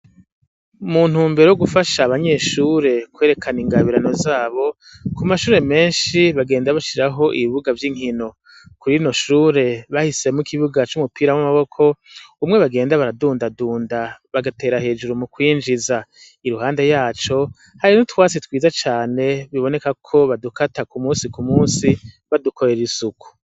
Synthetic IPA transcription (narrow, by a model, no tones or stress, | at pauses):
mun̥huːmbe̞ɾojoɡufaʃaβaɲe̞ːʃuːɾe̞kweːɾe̞kʰaniŋɡaβiɾano̞zaːβo̞ | kumaʃuːɾe̞me̞ːnʃiβaɡe̞ːndaβaʃiɾaɦo̞ʔiβiβuɡavjiŋ̥ino̞ | kuɾino̞ʃuːɾe̞βahise̞mukʰiβuɡat͡ʃumupʰiːɾawamaβo̞kʰo̞umŋe̞βaɡe̞ːndaβaɾaduːndaduːndaβaɡate̞ːɾahe̞ːd͡ʒuɾumukwiːnd͡ʒiza | iɾuhaːnde̞jaːt͡ʃo̞ | haɾinutwaːt͡sitwiːzat͡ʃaːne̞βiβo̞ne̞kakʰo̞βadukatakumuːsikumuːsi | βaduko̞ɾe̞ɾisuku̥